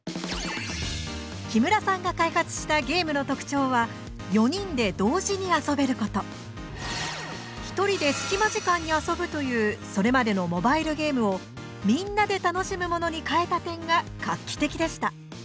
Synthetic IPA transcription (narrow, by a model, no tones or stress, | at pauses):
kʲimɯ̟ɾasãŋɡakaihat͡sɨ̥ɕi̥t̪aɡe̞ːmɯ̟no̞t̪o̞kɯ̟̥t͡ɕo̞ːβa | jo̞ɲ̟ĩnd̪e̞d̪o̞ːʑiɲ̟iaso̞be̞ɾɯ̟ko̞t̪o̞ | çi̥t̪o̞ɾʲid̪e̞sɨ̥kʲimaʑikãɲ̟ːiaso̞bɯ̟t̪o̞jɯ̟ːso̞ɾe̞mad̪e̞no̞mo̞baiɾɯ̟ɡe̞ːmɯo̞ | mʲĩnːad̪e̞t̪ano̞ɕimɯ̟mo̞no̞ɲ̟ikae̞t̪at̪ẽ̞ŋɡakakʲːi̥t̪e̞kʲid̪e̞ɕi̥t̪a